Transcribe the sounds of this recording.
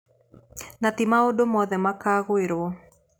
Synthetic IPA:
nat̪ɪmaodomɔðɛmakaɣweɾo

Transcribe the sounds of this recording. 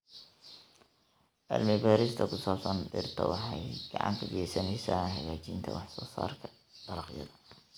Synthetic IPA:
ʔɐ̰lmɪbaːɾɪst̪ʰɐkʰʊsaːpsɐndɪ̰rt̪ʰɔ̰wɑħɑjɡ̥ɑʕɑ̰nt̪ʰɐɡjɛsɐnɛjsaːɦɐɣaːt͡ʃint̪ʰɐ̰wɑħsɔːsaːrkʰɐ | d̪̥ɐɾɑqjɐ̰ðɐ

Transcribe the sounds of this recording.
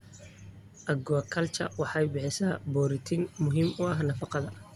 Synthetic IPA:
ʔɐɡɔɐkʰɐlt͡ʃʰɐ̰wɑħɑjbɪħɪsaːbɔːɾɪt̪ʰinmʊɦiːmʊɐɦnɐfɑqɑðɐ

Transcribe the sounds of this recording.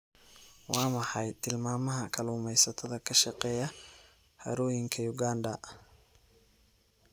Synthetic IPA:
wɑːmɑħɑjt̪ʰɪlmaːmɐɦɐkʰɐlʊːmɛjsɐt̪ʰɐðɐkʰɐʃɐqɛːjɐ | hɐ̰ɾɔːjɪŋkʰɐjʊɡaːndɐ

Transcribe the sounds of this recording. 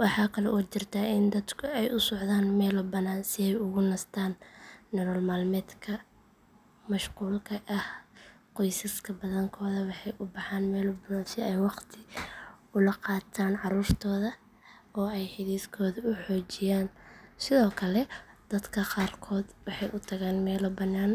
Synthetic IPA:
wɑħɑːkʰɐlɛʔɔːt͡ʃɪrt̪ʰɐɪnd̪ɐd̪kʰʊɛjʔʊsɔʕðaːnmɛːlɔbɐnaːnsɪɛjʊɣʊnɐst̪ʰaːnːɛɾɔːlmaːlmɛːd̪kʰɐ | mɐʃquːlkʰɐʔɐhqɔjsɐskʰɐbɐðɐŋkʰɔːðɐwɑħɑjʔʊbɑħaːnmɛːlɔbɐnaːnsɪɛjwɑqt̪ʰɪ | ʊlɐqɑːt̪ʰaːnʕɑɾuːrt̪ʰɔːðɐ | ɔːɛjħɪðiːskʰɔːðɐʊħɔːt͡ʃɪjaːnsɪðɔːkʰɐlɛd̪̥ɐd̪kʰɐqɑːrkʰɔːd̪wɑħɑjʔʊt̪ʰɐɣaːnmɛːlɔbɐnːaːn

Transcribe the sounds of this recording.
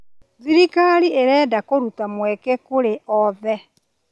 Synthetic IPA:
ðiɾikaɾiʔeɾɛːdakoɾutamwɛkɛkoɾeɔðɛ

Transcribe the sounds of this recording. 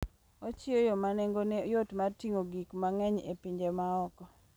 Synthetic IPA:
ɔt͡ʃɪojɔmaneŋɡonejotmartiŋoɡikmaŋɛɲḛpiɲd͡ʒemaɔkɔ

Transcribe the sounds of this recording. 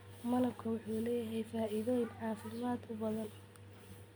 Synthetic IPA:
mɐlɐbkʰɐwʊħuːlɛːjɐɦɛjfaːʔɪðɔːjɪnʕɑːfɪmaːd̪ʊbɐðɐn

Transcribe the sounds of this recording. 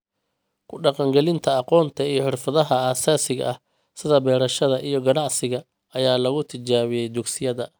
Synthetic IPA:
kʰʊɖɑqɑŋɡɛlɪnt̪ʰɐɑqɔːnt̪ʰɐijɞħɪrfɐðɐɦɐaːsaːsɪɣɐ̰ʔɐh | sɪðɐbɛːɾɐʃɐðɐʔijɞɡɐnɑʕsɪɣɐ | ɐjaːlɐɣʊt̪ʰɪt͡ʃaːβɪjɛjd̪ʊɡsɪjɐðɐ

